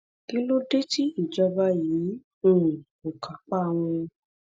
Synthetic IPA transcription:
ki˦lo˦de˦ti˦i˦˨d͡ʒɔ˧ba˦jiː˨˦ | ũ˦˨ | o˨kʰa˨k͡pa˦˧˨w̃ɔ̃˧

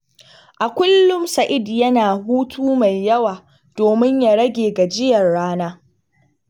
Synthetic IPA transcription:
ʔa˨kʷʊ˦lːʊ˦msɐ˨ʔɪ˦djɐ˦naː˨ɦuː˦tʰuː˦ma˨jːɐ˦waː˨ | d̥oː˨mɪ˦ɲja˨ɽɐ˦ɡʲeː˨ɡa˨d͡ʒɪ˦jɐ˨rɽaː˦naː˦

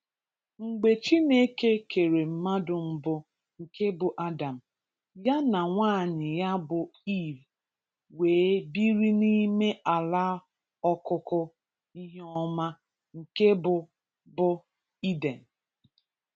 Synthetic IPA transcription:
ŋ͡m̩˨ɡ͡be˨t͡ʃi˦ne˦ke˦kʰe˨ɾe˨m̩˦ma˦dʊ˨m̩˦bʊ˨ | ŋ̩˨ke˦bʊ˨ʔa˦da˨m̩˨ | ja˦na˨ŋʷaː˦˨ɲɪ˨ja˦bʊ˨i˦˨b | weː˨˦bi˦ɾi˦ni˦me˦ʔa˨la˦ | ɔ˦kʊ˦kʊ˦ | i˦ɦe˦ɔ˦ma˦ | ŋ̩˨ke˦bʊ˨ | bʊ˨ | i˦de˨n̩˨

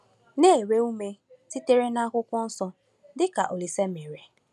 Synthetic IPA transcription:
ne˦e˨ɾe˦u˦me˦ti˦te˦ɾe˦na˦kʷʊ˦kʷɔ˦n̩˦sɔ˦ | dɪ˦ka̰˨ʔo˨li˨se˦me˨ɾe˨

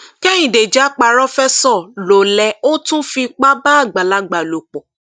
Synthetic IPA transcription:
kɛ̃˦ĩ˨de˨d͡ʒa˨˦k͡pa˧˨ɾɔ˦fɛ˦sɔ˦˨lo˨lɛ˨o˦tũ˦fi˧k͡pa˦ba˦a˦˨ɡ͡ba˨la˨˦ɡ͡ba˨lo˨k͡pɔ˨

